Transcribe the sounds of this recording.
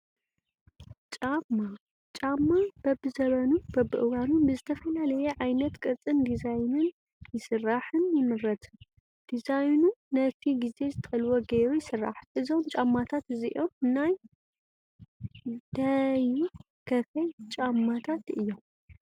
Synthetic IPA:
t͡ʃʼamːa | t͡ʃʼamːab̥ɐbɨzɐβɐnub̥ɐbɨʔɨwanunbɨzɨt̪ʰɐfɐlalɐjɛʕajnɐt̪kʼɨɾt͡sʼɨnd̪izajnɨn | jɪsɨrːaħɨnjɪmɨɾɐt̪ʰɨ | d̪̥izajnunɐt̪ʰiɡize̞zɨt̪ʰɐɐlwoɡeɾujɪsɨrːa̰ħʔɨzo̞mt͡ʃʼamːat̪ʰat̪ɨziʔomɨnːaj | d̪̥aju | kʰɐfɐjt͡ʃʼamːat̪ʰat̪ʔɨjːom

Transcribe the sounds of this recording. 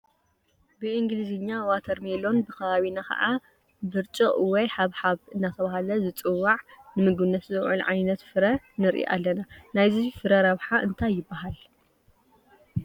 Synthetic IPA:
bɨʔiŋɡɨlizɨɲːawat̪ʰɐɾmelo̞nbɨkʰɐβaβinakɐ̰ʔa | bɨɾt͡ʃʼɨʔwɔjħaβħaβɨnːat̪ʰɐβaɦalɐzɨt͡sʼɨwːaʕnɨmɨɡɨnːɐt̪zɨʕṵlʕajnɐt̪fɨɾɐ | nɨɾʔḭʔa̰lːɐnanajzifɨɾɐɾɐβħaʔɨnt̪ʰajːɪbːaɦal

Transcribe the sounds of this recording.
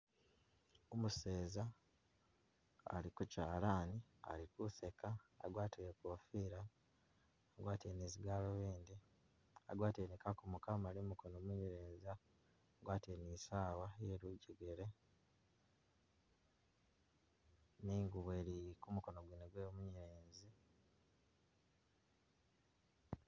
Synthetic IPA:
omuse̞ːza | a̰likucaːlaːnia̰likuse̞ka̰ːɡwaːtiɾekoːfiːɾaː | ɡwaːteniziɡaloβiːnd̪i | a̰ɡwaːtenekakumukamalimuko̞nomuɲeɾeːzaː | ɡwaːtenisaːwajeɾuɟeɡeɾe̞ | niːŋɡuβweːɾikumuko̞no̞ɡwiːneɡweːmuɲiɾeːnzi

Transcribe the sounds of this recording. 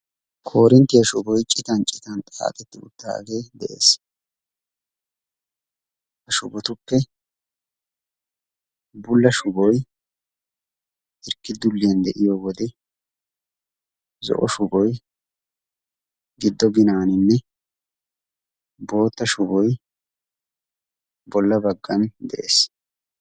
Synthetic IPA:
kʰo̞ːɾɛnt̪ːɪjɐʃʊbɔjt͡ʃʼɪt̪ɐnt͡ʃʼɪt̪ɐnt̪ʼa̰ːt̪ʼɛt̪ːɪʊ̰t̪ːa̰ːɡe̞ːd̪ɛʔe̞̰ːs | hɐʃʊbɔt̪ʊpːɛ | bʊlːɐʃʊbɔj | ɪɾkːɪd̪ʊlːɪjɐnd̪ɛʔɪjɔwɔd̪ɛ | zɔ̰ʔɔʃʊbɔj | ɡɪd̪ːɔɡɪnaːnɪnːɛ | bo̞ːt̪ːɐʃʊbɔj | bɔlːɐbɐɡːɐnd̪ɛʔḛːs

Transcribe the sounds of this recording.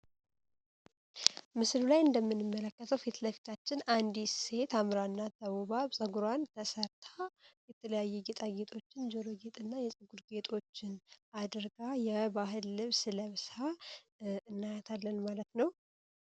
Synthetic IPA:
mɨslulajɨnd̪əmːɨnːɨmːələkːət̪ʰəwfet̪ləfi̥t̪ʰat͡ʃːɪnand̪isse̞t̪amɾaɨnːad̪əβuβaβsʼəɡuɾwant̪ʰəsəɾt̪ʰajɛt̪ʰələjajːɛɡet̪ʼaɡet̪ʰʼo̞t͡ʃːɪnd͡ʒoɾoɡet̪ʼɨnːajɛsʼɨɡuɾɡe̞t̪ʰʼo̞t͡ʃːɪnʔad̪ɨɾɡajɛβaɦɨlːɨβsɨləβsa | ɨnːajat̪ʰalːənmalət̪nəw

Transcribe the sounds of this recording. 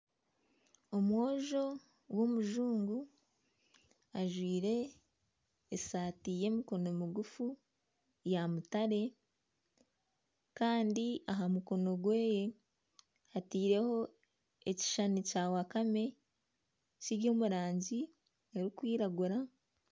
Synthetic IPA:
omwo̞ːʒo̞ | womuʒuːŋɡu | aʒwiːɾe̞ | satiːje̞muko̞no̞miuɡufu | jamutaɾe̞ | kaːndiaɦamuko̞no̞ɡwe̞ːje̞ | atiːɾe̞ho̞ | eci̥ʃanicaːwakame̞ | ciɾjo̞ːmuɾaːɲɟi | eɾikwiːɾaɡuɾa

